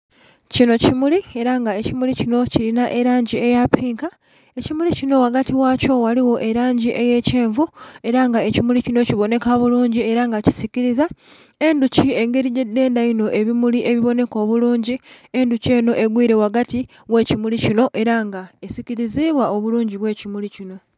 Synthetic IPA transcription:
cino̞cimulie̞ɾaŋɡae̞cimulicino̞cilinaʔe̞ɾaːɲɟie̞japiːŋka | e̞cimulicino̞waɡatiwaːco̞waliwo̞ʔe̞ɾaːɲɟiʔe̞je̞ceːɱvue̞ɾaŋɡae̞cimulicino̞ciβo̞ne̞kaβuluːɲɟie̞ɾaŋɡaci̥siciɾiza | e̞nducie̞ŋɡe̞ɾiɟe̞dːe̞ːndaino̞ʔe̞βimuliʔe̞βiβo̞ne̞ko̞ːβuluːɲɟie̞nduce̞ːno̞ʔe̞ɡwiːɾe̞waɡati | we̞ːcimulicino̞ʔe̞ɾaŋɡaesiciɾiziβwao̞βuluːɲɟiβwe̞ːcimulicino̞

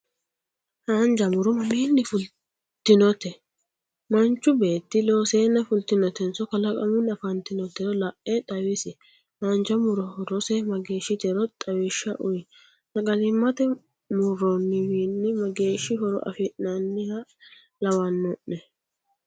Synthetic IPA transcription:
haːnd͡ʒɐmʊɾʊmɐmiːnːɪfʊl | t̪ːɪnɔt̪ɛ | mɐnt͡ʃːʊbe̞ːt̪ːɪloːseːnːɐfʊlt̪ɪnɔt̪ɛnsɔkɐlɐkʼɐ̰mʊnɐfɐnt̪ɪnɔt̪ːɛɾɔlɐʔɛt̪ʼɐwɪsɪ | hand͡ʒɐmʊɾɔhɔɾɔsɛmɐɡe̞ːʃːɪd͡ʒ̪ɛɾɔt̪ʼɐwɛʃːɐʔʊj | nɐɡʼɐlɪmːɐt̪ɛ | mʊɾɔnːɪwiːnːɪmɐɡe̞ːʃːɪɦɔɾɔ̰ʔɐ̰fɪʔnɐnːɪhɐ | lɐwɐnːɔʔnɛ

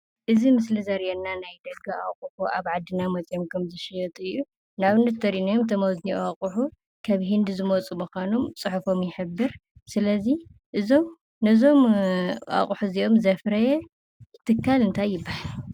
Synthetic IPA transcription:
ʔɨzimɨslizɐɾjɛnːanajd̪ɐɡɨa̰χʼuħuʔaβʕad̪ɨnamɐt͡sʼjomkʰɐmzɨʃiɐt̪ʼɨjːu | naβɨnːɐt̪t̪ʰːɐɾinɐjomt̪ʰɐmɐwzniaχʼuħu | kʰɐβɦɨnd̪zɨmot͡sʼumuxʷanomt͡sʼɨħɨfo̞mjɪħɨbːɨɾsɨlɐziʔɨzo̞m | nɨzo̞mʔa̰χʼuħuziʔo̞mzɐfɾɐjɛ | t̪ʰɨkʰːalɨnt̪ʰajːɪbːahal

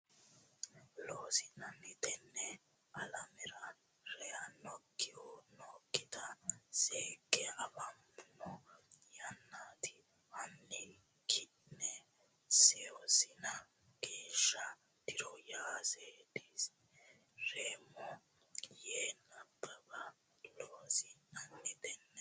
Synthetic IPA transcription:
loːsɪnɐnːɪt̪ɛnːɛ | ɐlɐmɛɾɐ | ɾɛjɐnɔkːɪhɔnɔkʼːɪt̪ɐseːkʼːɛɐbɐmbʊnɔjɐnːat̪ɪ̥ | ɐnːɪ | kʰɪnɛ | sɛɔsɪnɐ | ɡ̥eːʃːɐ | d̪̥ɪɾɔjaːseːd̪iːs | ɾeːmɔ | jeːnːɐpʼːɛbɐ | loːsɪnɐnːɛd̪ɛnːɛ

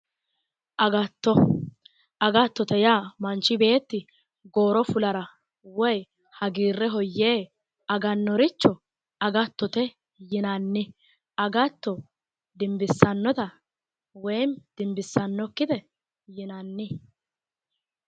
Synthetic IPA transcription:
ʔɐɡɐt̪ːɔ | ʔɐɡɐt̪ːɔt̪ɛjaːmɐnt͡ʃːɪbe̞ːt̪ːɪ | ɡo̞ːɾɔfʊlɐɾɐ | wɔj | hɐɡiːrːɛɦɔjːeː | ɐɡɐnːɔɾɪt͡ʃːɔ | ɐɡɐt̪ːɔt̪ɛ | jɪnɐnːɪ | ɐɡɐt̪ːɔ | d̪ɪmbɪsːɐnːɔt̪ɐ | wɛjnd̪̥ɪmbɪsːɐnːɔkːɪd̪ɛ | jɪnɐnːɪ

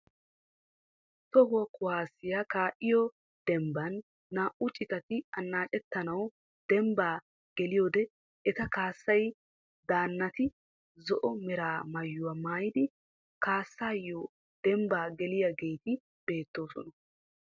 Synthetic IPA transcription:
t̪ɔɡɔkʊwaːsːɪjakaːʔɪjɔ | d̪̥ɛmbɐnː | aːʔʊt͡ʃʼɪt̪ɐt̪ɪɐnːaːt͡ʃʼɛt̪ːɐnɐw | d̪̥ɛmbaː | ɡ̥ɛlɪjoːd̪ɛ | ɛt̪ɐkaːsːɐj | d̪aːnːɐt̪ɪ | zɔʔɔmɛɾaːmɐjːʊwamaːjɪd̪ɪ | kaːsːaːjːo | d̪̥ɛmbaːɡɛlɪjaɡe̞jt̪ɪ | b̥e̞ːt̪ːo̞ːsɔ̰nɐ

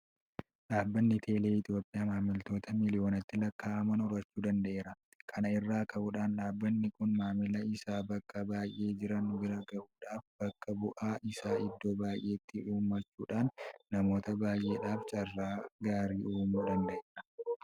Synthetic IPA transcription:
ᶑaːbːɐnːɪt̪ʰe̞ːle̞ːɪt̪jo̞ːpʼɪjaːmaːmɪlt̪o̞ːt̪ɐmɪlɪjo̞ːnɐt̪ːɪlɐkːaːɐmɐnʊɾɐt͡ʃːuːd̪ɐnd̪ɐʔe̞ːɾɐ | kʰɐnɐɪrːaːkʰɐʔuːᶑaːnᶑaːbːɐnːɪkʊnmaːmɪlɐɪsaːbɐkːɐbaːjʔe̞ːd͡ʒɪɾɐnːʊɡɪɾaːɡɐʔuːᶑaːfb̥ɐkːɐbʊʔaːʔɪsaːɪd̪ːo̞ːbaːjʔe̞ːt̪ːɪuːmːɐt͡ʃːuːᶑaːnːɐmo̞ːt̪ɐbaːjʔe̞ːᶑaːft͡ʃʼɐrːaːɡaːɾiːʔuːmuːd̪ɐnd̪ɐʔeːɾɐ

